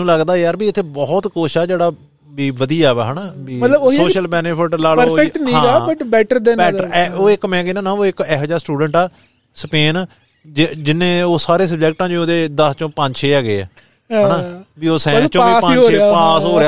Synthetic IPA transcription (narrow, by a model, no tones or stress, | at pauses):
ũːləɡd̪aːjaːɾbiːɪt̪ʰːeːbɔːt̪koːʃaːd͡ʒeːɽaː | biːʋəd̪iːaːʋɛɦəːnaːbiːət̪ləbosoːʃəlbɛːneːpʰɪʈlaːlɾoʈnĩɦãːaːbəʈbɛːʈəɾd̪ɛ̃nbɛːəɾɛːoːɪkmɛ̃ːɡiːnãːnãːoːɪkɛːɦəd͡ʒaːɾsʈuːɖəɳʈɛː | speːn | d͡ʒd͡ʒɪnẽːoːsaːɾeːs̬əb̚d͡ʒɛːk̚ʈãːd͡ʒooːd̪eːd̪əst͡ʃõːpə̃ɲd͡ʒʃʰeːɛːɡeːɛ̰ː | ɦɦəːnaːbiːoːsɛ̃ːt͡ʃõiːspat͡ʃːeaːsɦoːɾeja